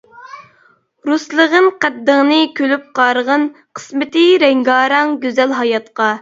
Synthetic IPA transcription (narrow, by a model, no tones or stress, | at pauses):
ɾuslˠəʁənqæd̪ːəŋnɨkʲʰølyp̚qɑːɾəʁən | qʰə̥smɪt̪ɪɾɛŋɡɑːɾɑŋɡʲøzɛlɦɑjɑt̪qɑ